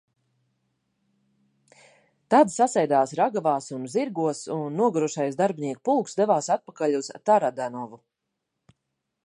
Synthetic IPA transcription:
t̪ad̪sasajd̪aːsɾaɡavaːsunziɾɡuɔsunːuɔɡaɾuʃajsd̪aɾbniɛk̚pulˠksd̪evaːsat̪̚pakalʲuzt̪aɾad̪anɔvu

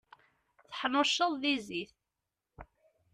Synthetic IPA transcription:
θə̥ħnʊʃːəðˤðiziθ

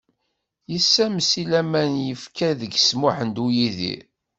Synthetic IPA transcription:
jəsːæmsilæmænjəfkæðəɡsmʊħənd̪ujiðḭɾ

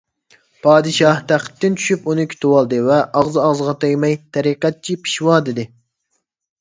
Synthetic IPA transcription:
pʰɑːd̪ɨʃɑht̪ʰæχə̥t̪ːɪnt͡ʃʰy̥ʃypunɨkʲʰi̥t̪ʰuwɑlˠd̪ɨvɛʔɑʁzɨɑʁzʁɑt̪ejmɛjt̪ʰɛɾiqɛt̪̚t͡ʃʰipʰi̥ʃwɑd̪ɪd̪ɪ

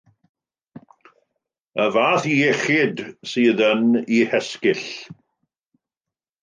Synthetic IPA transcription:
əvaːθiɛχɪdsiːðənihɛskɪɬ

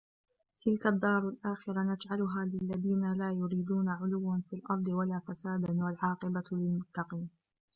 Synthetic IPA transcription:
t̪ɪlkad̪ːɑːɾˤalʔaːxɪɾanad͡ʒʕalʊɦaːlɪlːaðiːnalaːjʊɾiːd̪uːnaʕʊlʊwːanfiːlʔɑɾˤd̪ˤɪwalaːfasaːd̪anwalʕɑːqɨbalɪlmʊt̪ːɑqiːn

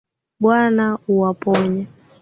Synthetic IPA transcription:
ɓwanauwapɔɲa

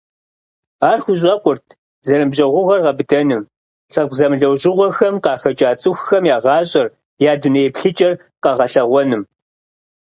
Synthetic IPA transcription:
aːrxʷʊɕ̬ʼɑkʷʼʊrtʰ | zɐɾɨmʑɐʁʷʊʁɐrʁɐbɨdɐnɨm | ɬɐɡ̚zɐmɮɐwʑɪʁʷɔxɐmqɑːxɐt͡ʃʼaːt͡sʼɨxxɐmjaːʁɑːɕʼɐr | jaːdʊnejpɬɨt͡ʃʼɐr | qɐʁɐɬɐʁʷɔnɨm

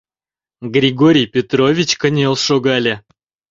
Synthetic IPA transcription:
ɡɾʲɪɡoɾʲɪjpʲɪt̪rovʲɪt͡ɕkənʲelˠʂoɡalʲɪ

